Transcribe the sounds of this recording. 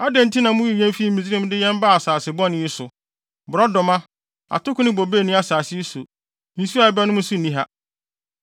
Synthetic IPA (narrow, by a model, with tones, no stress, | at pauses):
a˦dɛ̃˨n̩˦tʰi˦nã˨mʊ̃˦ji˨jɛ̃˦m˦fi˦˨mi˨zi˦ɾĩ˦m˦dɪ˦jɛ̃˦m˦ba˦˨a˨saː˨sɪ˨bɔ̃˦nɪ̃˦i˦sʊ˨ | bʊ˨ɾɔ˦dɔ˨mã˦ | a̰˨tʊ˦kʰʊ̃˦nɪ̃˦bo˨beː˦˨nĩ˦a˨saː˨sɪ˦sʊ˨ | ñ̩˨˦su˦a˦˨ɛ˦bɛ˦nʊ̃˦mũ˦sʊ˦˨ĩ˦ɦa˦